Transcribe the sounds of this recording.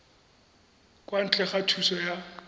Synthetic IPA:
kʼwan̩t͡ɬʼɛχatʰusɔja

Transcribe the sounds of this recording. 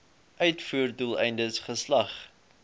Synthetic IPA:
ʔœɥtfuərdulˠɛjndəsχəslɐχ

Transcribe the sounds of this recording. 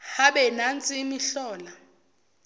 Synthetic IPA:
haɓɛnant͡sʼimiɬɔːla

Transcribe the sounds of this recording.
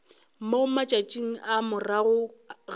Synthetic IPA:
moʊmat͡ʃʼat͡ʃʼiŋ̩amʊraɣʊɣ

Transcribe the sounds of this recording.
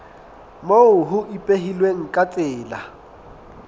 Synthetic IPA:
moʊɦʊʔipʼeɦilweŋ̩kʼat͡sʼɪːla̰

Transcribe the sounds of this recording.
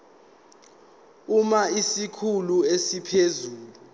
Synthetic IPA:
umaisikʰuluesipʰezuːlu

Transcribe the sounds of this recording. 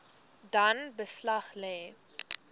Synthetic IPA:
dɐnbəslɐχlɛː

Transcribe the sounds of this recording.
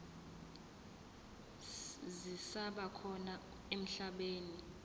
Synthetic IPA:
zisaɓakʰɔna | em̩ɬaɓeːni

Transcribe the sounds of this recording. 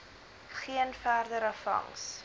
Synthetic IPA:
χiənfæːrdəɾəfɐ̰ŋs

